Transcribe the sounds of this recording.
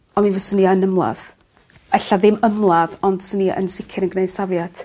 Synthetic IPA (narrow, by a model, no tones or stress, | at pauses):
ɔnminvɔsʊniənəmlˠa̰ð | ɛɬaðɪməmlˠaðɔnd̥sʊniʔə̰nsɪkʰɪɾənɡnejd̥savjad̥